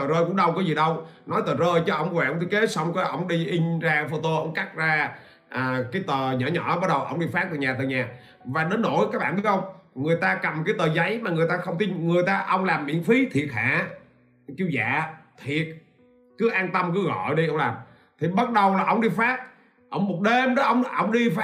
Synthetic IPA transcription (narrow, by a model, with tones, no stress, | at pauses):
əː˨˩zəː˧jkʊ̰˧˥ŋ͡mɗə˧wkɔ˨˦zi˨˩ɗə˧wnɔ˨˦jt̪əː˨˩zəː˧jt͡ɕɔ˧˩ʔə˧wŋ͡mkwa˨˧˩ə˧wt̪ʰːke˨˦sa˧wŋ͡mkɔ˨˦ʔə̰˧wŋ͡mɗi˧ʔi˧ŋ̟zaː˧fo˧t̪o˧ʔə˧˨wŋ͡mka˦˥t̚zaː˧ | ʔaː˨˩kaː˨˦jt̪əː˨˩ɲɔ̰ː˧˩˦ɲɔ̰˧˩˥ɓə˦˥t̚ɗə˨˩wʔə̰˧˩wŋ͡mɗi˧fa˦˥k̚t̪aː˨˩ɲaː˨˩t̪əː˨˩jɲaː˨˩ | vaː˨˩ɗe˨˦nːo˧˩jkaː˦˥k̚ɓa̰ː˧˨nɗɨ˧˦˥k̚xə˧wŋ͡mŋɨ˨˩əjt̪aː˧kə˨˩mkaː˨˦jt̪əː˨˩za˨˦jmaː˨˩ŋɨ˨˩əjt̪aː˧xə˧wŋ͡mt̪i˧nŋɨ˨˩əjt̪aː˧ʔə˧wŋ͡mlaː˨˩mːḭ˧˨əŋfi˨˦t̪ʰi˨˩ət̚ha̰ː˧˥˨ | ki˧wza̰ː˧˨t̪ʰi˨˩ət̚ | kɨ˨˦ʔaː˧nt̪ə˧mkɨ˨˦ɣɔ̰˧˨jɗi˧ʔə˧wŋ͡mlaː˨˩m | t̪ʰi˨˩ɓə˦˥t̚ɗə˨˩wlaː˨˩ʔə˧wŋ͡mɗi˧faː˦˥t̚ | ʔə̰˧˦wŋ͡mmo˨˩t̚ɗe˧mɗɔ˨˦ʔə˧wŋ͡mʔə̰˧wŋ͡mɗi˧f